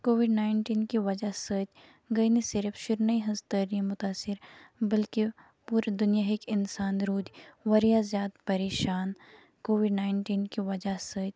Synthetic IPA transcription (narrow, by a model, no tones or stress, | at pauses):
koːʋɪɖnaːɪɳʈiːnkiʋɐd͡ʒasəːt̪ | ɡɐinisɪɾfʃɪɾnɐiɦɐzt̪əːɾiemʊt̪aːsɪɾbɐlki | puːɾed̪ʊnjaɦekɪnsaːnɾuːd̪ʋɐɾijazjaːd̪pɐɾeːʃaːn | koːʋɪɖnaːɪɳʈiːnkiʋɐd͡ʒasəːt̪̚